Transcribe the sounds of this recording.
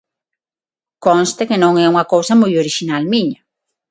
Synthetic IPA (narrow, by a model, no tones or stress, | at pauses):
kõnst̪ekɪnõŋɛuŋɐkowsɐmujoɾiʃinalmiɲɐ